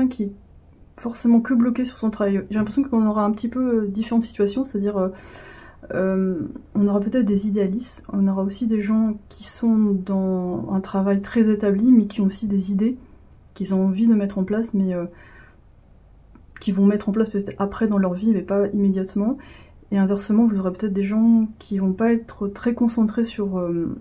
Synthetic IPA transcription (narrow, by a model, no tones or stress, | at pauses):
ɛɛ̃kʲiɛ | fɔʁsemɑ̃kəblɔkʲesy̥ʁsɔ̃t̪χavajʒelɛ̃pχesjɔ̃kɔ̃nɔʁaɛ̃pət̪ipød̪ifeʁɑ̃t̪si̥t̪ɥasjɔ̃se̥t̪ad̪iʁø | ømɔ̃nɔʁapøt̪ɛt̪χd̪ezid̪ealist̪ɔ̰̃nɔʁaosid̪eʒɑ̃kʲʰisɔ̃d̪ɑ̃ɛ̃t̪χavajt̪χɛzet̪ablimɛkʲiɔ̃osid̪ezid̪e | kʲilzɔ̃ɑ̃vid̪əmɛt̪χɑ̃plasmɛø | kʲivɔ̃mɛt̪χɑ̃plaspøt̪ɛt̪χapχɛd̪ɑ̃lœʁvimɛpaimed̪jat̪mɑ̃ | eɛ̃vɛʁsəmɑ̃vuzoʁepøt̪ɛt̪χd̪eʒɑ̃kʲʰivɔ̃paɛt̪χət̪χɛkɔ̃sɑ̃t̪χesyʁøm